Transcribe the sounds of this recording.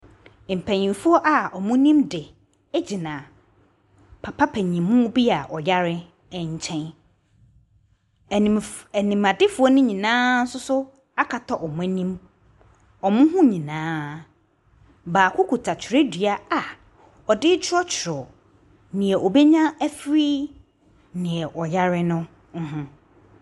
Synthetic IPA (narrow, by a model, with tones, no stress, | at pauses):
m̩˨pʰæ̃˨ɲĩ˨mfʊ˦ɔ˦ʔa˨ɔ˨mʊ̃˦nĩ˦mdɪ˨ | ɛ˦d͡ʑi˨nã˨ | pʰa˨pʰa˦pʰæ̃˨ɲĩ˨mmʊ̃˦bi˦a˨ʔɔ˨ja˦ɾɪ˦ | ɛ˨ɲ̩˨t͡ɕʰɛ̃˦n˨ | ɛ˨nĩ˨mã˨dɪ˦fʊ˨ɔ˦nʊ̃˦ɲĩ˨nãː˦n̩˦sʊ˦sʊ˦ | a˦kʰa˨tʰɔ˨ʔɔ˨mʊ̃˦nĩ˦m | ɔ˨mʊ̃˦ɦʊ̃˦ɲĩ˨nãː˦ | baː˨kʰʊ˦kʰu˨tʰa˨t͡ɕʰɪ˨ɾɪ˦dɥa˦a˨ | ɔ˨dɪ˦t͡ɕʰɪ˦ɔ˦t͡ɕʰɪ˨ɾɔ˨ | nɪ̃˨ɛ˨ʔɔ˨bɛ˦ɲã˦æ˦fɾiː˦ | nɪ̃˨ɛ˨ʔɔ˨ja˦ɾɪ˦nʊ̃˦ | ŋ̩˦ɦʊ̃˦